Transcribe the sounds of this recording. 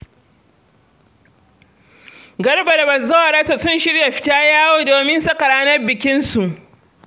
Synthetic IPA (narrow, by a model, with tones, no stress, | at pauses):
ɡɐ˦rbɐ˨ɾɐ˨bɐ˨zɐ˦a˨ɽɐ˦sa˨sʊ˦nʃɪ˦rja˨ɸɪ̥˨˦taː˦jaː˦woː˦doː˨mɪ˦nsɐ˦kɐ˨ɽaː˦nɐ˦rbɪ˨kʲɪ˦nsu˨ʔ